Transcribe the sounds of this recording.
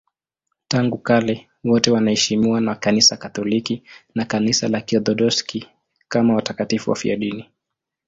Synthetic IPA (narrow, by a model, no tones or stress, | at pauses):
taŋɡukalɛ | wɔtɛwanahɛʃimiwanakanisakatɔlikinakanisalakiɔðɔɗɔski | kamawatakatifuwa̰fḭa̰ɗini